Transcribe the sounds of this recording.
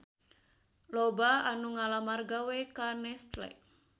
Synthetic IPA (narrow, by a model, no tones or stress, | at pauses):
lɔbaanuŋalamarɡawekanɛst̪lɛ̰